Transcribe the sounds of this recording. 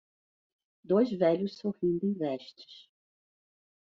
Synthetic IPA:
d̪ojzvɛʎʊssohĩnd̪ʊẽvɛʃt͡ʃɪ̥s

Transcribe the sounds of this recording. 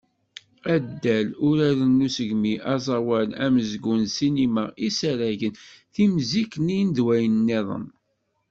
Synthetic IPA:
æd̪ːælʊɾæɾənːusəʝmiʔɑzˤɑwælæməzɡunsiniməisæɾæʝənθimziknijnd̪wæjənnːiðˤə̰n

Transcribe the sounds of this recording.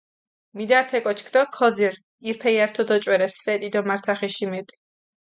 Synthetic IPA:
mid̪aɾt̪ʰɛkʼɔt͡ʃʰkʰd̪ɔkʰɔd̪ziɾ | iɾpʰɛjaɾt̪ʰɔd̪ɔt͡ʃʼwɛɾɛsfɛt̪ʼid̪ɔmaɾt̪ʰaχɛʃimɛt̪ʼ

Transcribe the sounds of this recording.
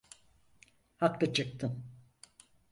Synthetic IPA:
haklɯt͡ʃʰɯk̚t̪ʰɯn

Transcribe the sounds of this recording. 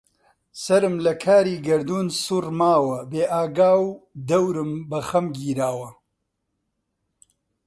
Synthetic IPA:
sɐɾɨmlɐkʰaːɾiːɡɐɾd̪uːnsurmaːwɐbeːʔaːɡaːwd̪ɐwɾɨmbɐxɐmɡiːɾaːwɐ

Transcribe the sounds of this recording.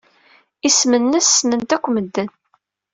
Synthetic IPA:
ismənːəsːmənt̪ækʷːməd̪ːən

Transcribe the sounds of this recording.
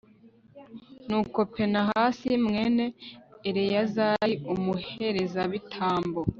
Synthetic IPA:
nuːko̞pe̞naɦaːsimŋe̞ːne̞ːɾejazaiumuhe̞ɾe̞zaβitʰaːmbo

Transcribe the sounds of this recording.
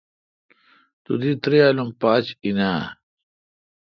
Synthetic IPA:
t̪ṵd̪it̪ɾialumpaːt͡ɕinaː

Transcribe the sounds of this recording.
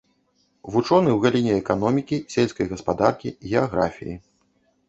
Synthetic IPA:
vut͡ʂɔnɨwɣalʲinʲɛɛkanɔmʲikʲisʲelʲsʲkɐjɣɐspad̪arkʲiɣʲɛaɣɾa̰fʲḭji

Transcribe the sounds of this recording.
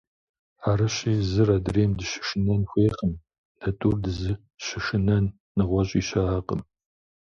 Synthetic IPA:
aːɾɐɕiːzɨɾɐdreːmdɨʃɪ̥ʃɨnɐnxʷeːχəm | d̥ɐtʼuːrdɨzɨ | ɕɪʃɨnɐnː | ɨʁʷɔɕʼiːɕɐaːqəm

